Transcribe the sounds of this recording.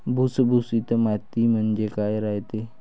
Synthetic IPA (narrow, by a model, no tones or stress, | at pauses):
busəbusit̪əmat̪imənd͡ʒekaeɾaet̪e